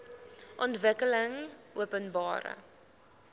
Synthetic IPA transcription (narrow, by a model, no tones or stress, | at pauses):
ʔɔntvəkələŋuəpənbɑːɾə̰